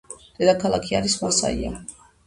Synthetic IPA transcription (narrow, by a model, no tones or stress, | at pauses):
d̪̥ɛd̪akʰalˠakʰiaɾismasa̰ḭa̰